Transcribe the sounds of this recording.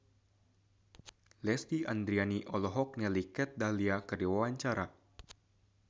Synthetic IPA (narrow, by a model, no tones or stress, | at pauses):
lɛst̪iʔand̪ɾianiʔɔlɔɦɔk̚nɛlikɛt̪̚daliakərdiwawaɲt͡ʃaɾa